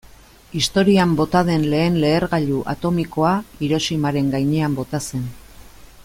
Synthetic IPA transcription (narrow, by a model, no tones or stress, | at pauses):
ist̪o̞ɾiambo̞t̪að̞e̞nle̞ːnle̞ːɾɣaʎuʔa̰t̪o̞miko̞aiɾo̞simaɾe̞ŋɡajɲe̞ambo̞t̪ase̞n